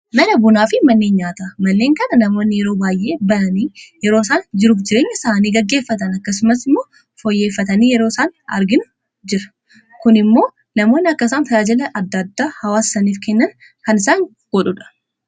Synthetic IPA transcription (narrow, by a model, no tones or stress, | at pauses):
mɐnɐbʊnaːfɪmɐnːeːnɲaːt̪ɐmɐnːe̞ːŋkɐnɐnɐmo̞ːnːɪjɛɾo̞ːbaːjʔe̞ːbɐnɐniːjɛɾo̞ːs̬aːnd͡ʒɪɾuːfd͡ʒɪɾe̞ːɲːɐsaːniːɡɐɡːe̞ːfːɐt̪ɐnɐkːɐs̬ʊmɐsɪmːo̞ː | fɔjːe̞ːfːɐt̪ɐniːjɛɾo̞ːɪsaːnɐ̰ɾɡɪnʊ | d͡ʒɪɾɐ̥ | kʊnɪmːo̞ː | nɐmo̞ːnːɪɐkːɐsaːnfɐaːd͡ʒɪlɐʔɐd̪ːɐd̪ːaːhɐwaːsɐniːfkɛnːɐn | kɐnɪsaːŋ | ɡ̥ɔᶑʊᶑɐ̥